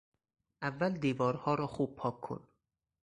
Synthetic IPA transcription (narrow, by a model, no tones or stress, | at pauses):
ʔævːæld̪iːvɒːɾhɒːɾɒːxuːb̚pʰɒːkʰːo̰n